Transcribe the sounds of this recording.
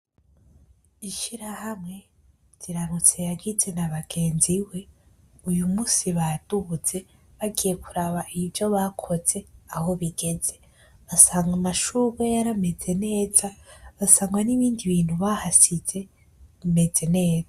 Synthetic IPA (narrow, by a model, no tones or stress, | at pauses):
iʃiɾahamŋe̞ | z̥iɾaɾut͡se̞jaɡize̞naβaɡ̥e̞ːnziwe̞ | ujumuːsiβad̥uβuz̥e̞ | βaɡije̞kuɾaβaʔivjo̞βakʰo̞z̥e̞aho̞βiɡe̞d͡ze̞ | βasaːŋɡamaʃuβejaɾame̞ze̞ne̞ːz̥aβasaːŋɡwaniβiːndiβiːn̥huβahasiz̥e̞ | me̞d͡ze̞ne̞ːza